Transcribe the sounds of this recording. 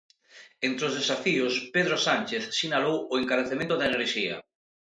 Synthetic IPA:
ent̪ɾeozðesafiʊspeðɾosanʲt͡ʃeθsinalowʊeŋkaɾeθemẽnt̪ʊðaeneɾʃiɐ̰

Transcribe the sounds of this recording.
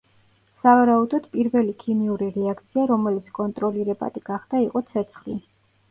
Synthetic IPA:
savaɾaud̪ɔd̪̥pʼiɾvɛlikʰimiuɾiɾɛak̚ʰt̪sʰiaɾɔmɛlit̪sʰkʼɔnt̪ʼɾɔliɾɛba̰d̪ʼiɡ̥aχd̪̥aiqʼɔt̪sʰɛt̪sʰχli

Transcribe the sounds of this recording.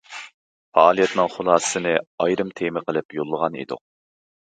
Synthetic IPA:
fɑ̰ɑːlˠijɛt̪nɨŋχʊlˠɑːssɨnɨɑjɾɨmt̪ʰemɪqʰəlˠɨpjolˠːəʁɑnḭd̪ʊ̰q̚

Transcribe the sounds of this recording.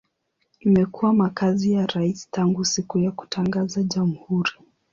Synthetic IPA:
imɛkuwamakazijaɾaisi̥taŋɡusikujaku̥taŋɡazaʄamuhuɾi

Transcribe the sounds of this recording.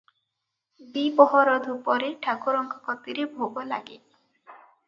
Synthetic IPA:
bibɔɦɔɾɔd̪ʱupɔɾeʈʰakuɾɔŋkɔkɔt̪iɾebʱoɡɔla̰ɡḛ

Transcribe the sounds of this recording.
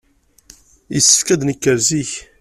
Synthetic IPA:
əsːə̥fkæd̪nəkːəɾziç

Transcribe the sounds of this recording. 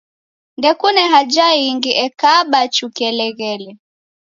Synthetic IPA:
ndɛkunɛɦad͡ʒaiŋɡiʔɛkaɓat͡ʃukɛlɛɣɛlɛ

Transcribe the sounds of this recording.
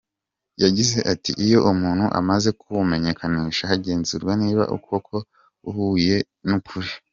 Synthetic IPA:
jaɟize̞ʔatḭʔijo̞ʔumuːn̥huʔa̰maze̞kuβume̞ɲe̞kaniːʃahaɟe̞ːnzuɾɡwaniːβa̰ʔṵkʰo̞kʰo̞ | uhuːje̞ | nukʰuɾi

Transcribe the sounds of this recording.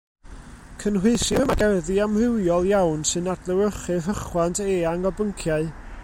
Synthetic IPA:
kʰənrwɪɨsɪmaɡɛrðɨamrɪwjɔlˠjawnsɨnadlˠəwɾəχɨɦəχwantʰeːaŋɔbəŋkʰjaɨ

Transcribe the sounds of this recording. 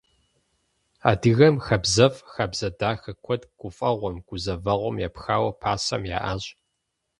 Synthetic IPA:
a̰ːdɨɣɐmxɐbzɐfxɐbz̥ɐdaːxɐkʷʰɔdɡ̥ʷʊfʼɐʁʷɔmɡ̥ʷʊzɐvɐʁʷɔmjapxaːwɐpʰaːsɐ̰mja̰ːʔaːɕʼ

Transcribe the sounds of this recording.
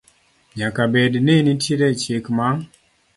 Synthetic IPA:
ɲakabɛdnenitʰiɾɛt͡ʃjekmaŋ

